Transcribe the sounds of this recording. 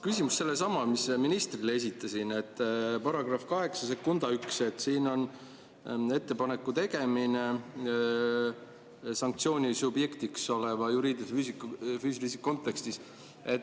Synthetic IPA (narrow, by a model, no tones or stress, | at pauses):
kysʲimusːe̞lːe̞sɑmɑmisminist̪rilee̞s̬ʲit̪ːˑɑsine̞t̪ːˑpɑɾɑɡ̥rɑfkɑɦe̞ksɑse̞kːund̪̥ɑykse̞t̪ːˑsiːno̞n | e̞t̪ːe̞pɑne̞kːˑut̪e̞ɡe̞mine̞ | sɑŋk̚t̪sio̞ːnʲisubje̞kt̪ikso̞levɑjuɾiːd̪isfysikːufyːs̬ilisikːo̞nt̪ːˑe̞kst̪is | e̞t̪ː